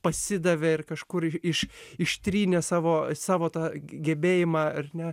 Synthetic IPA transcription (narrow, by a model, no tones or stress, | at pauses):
pɐsʲɪd̪ɐʋʲɛɪrkɐʃkʊɾɪɪʃɪʃt̪ʲɾʲiːnʲɛsɑːʋoːsɑːʋoːt̪ɑːɡʲɛbʲeːjɪmɑːɐrnʲɛ